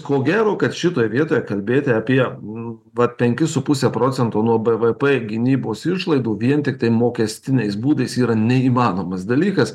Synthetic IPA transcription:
koːɡʲæːɾoːkɐt̪ʃʲɪt̪oːjɛʋʲiɛt̪oːjɛkɐlʲbʲeːt̪ʲɪɐpʲiɛ | ʋɐt̪̚pʲɛŋʲkʲɪsʊpʊsʲɛpɾoːt͡s̪ʲɛnt̪oːnuɔbɛʋɛpɛɡʲɪnʲiːboːsɪʃlˠɐɪd̪uːʋʲiɛnt̪ʲɪk̚t̪ɐɪmoːkʲɛsʲt̪ʲɪnʲɛɪsbuːd̪ɐɪsiːɾɐnʲɛiːmɑːnoːmɐsd̪ɐlʲiːkɐs

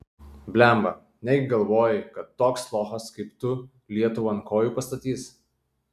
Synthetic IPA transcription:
bʲlʲæˑmbɐ | nʲɛɡʲɪɡɐlˠʋoːjɪkɐt̪ːoːkslˠoːxɐskɐɪpt̪ʊ | lʲiɛt̪ʊʋoːɐŋkoːjuːpɐst̪ɐt̪ʲiːs

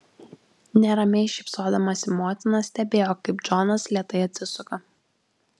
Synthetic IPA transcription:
nʲɛɾɐmʲɛɪʃʲɪpsoːd̪ɐmɐsʲɪmoːt̪ʲɪnɐsʲt̪ʲɛbʲeːjoːkɐɪpd͡ʒɔnɐslʲiɛt̪ɐɪɐt̪ʲsʲɪsʊkɐ

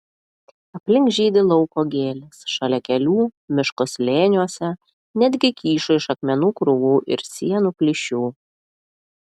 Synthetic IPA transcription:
ɐpʲlʲɪŋkʒʲiːd̪ʲɪlˠɔʊkoːɡʲeːlʲɪsʃɐlʲɛkʲɛlʲuːmʲɪʃkʊslʲeːnʲuɔsʲɛ | nʲæd̪ʲɡʲɪkʲiːʃʊɪʃɐkmʲɛnuːkɾʊʋuːʔɪ̰ɾsʲiɛnuːkʲlʲɪʃʲuː

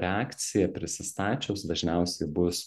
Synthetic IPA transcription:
ɾʲɑːkt̪sʲɪjɛpʲɾʲɪsʲɪst̪ɑːt͡ʃʲɛʊsd̪ɐʒʲnʲɛʊsʲɛɪbʊs

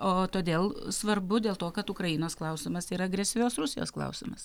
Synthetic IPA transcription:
oːt̪oːd̪ʲeːlˠsʋɐɾbʊd̪ʲeːlˠt̪oːkɐt̪ʊkɾɐjɪnoːsklˠɐʊsʲɪmɐsiːɾɐɐɡɾʲɛsʲɪʋʲoːsɾʊsʲɪjo̰ːsklˠɐ̰ʊsʲɪ̰mɐs

